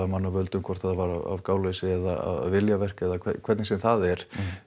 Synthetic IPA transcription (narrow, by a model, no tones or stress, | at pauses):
amanːavœlt̪ʏmkʰvɔr̥t̪θhat̪ːavaɾa̰va̰vkaːwlesɪɛðaa̰ðaðvɪljavɛr̥kɛðakʰɛkʰɛɾt̪nɪsɛmθaðɛɾ̥